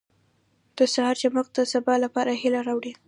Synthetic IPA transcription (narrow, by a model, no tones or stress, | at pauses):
d̪̥əsahɑɾd͡ʒamaqd̪əsabɑlapɑɾahilaɾɑwɽi